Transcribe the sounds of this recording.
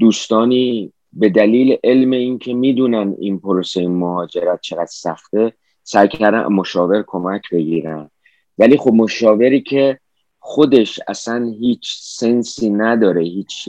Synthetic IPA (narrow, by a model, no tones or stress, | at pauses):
d̪uːst̪ɒːniː | be̞d̪æliːleʔe̞lme̞iːncʰe̞miːd̪uːnænd̪ḭnpʰoɾose̞jimohɒːd͡ʒe̞ɾæt̪̚t͡ʃʰe̞ɣæd̪̥sæxt̪e̞ | sæjkʰæɾd̪æ̰mo̞ʃɒːve̞ɾkʰo̞mæcʰbe̞ɟiːɾænd̪̥ | væliːxo̞bmoʃɒːve̞ɾiːcʰe̞ | xχo̞d̪e̞ʃæ̰sænɦiːt͡ʃʰse̞nsiːnæd̪ɒːɾe̞hiːt͡ʃʰ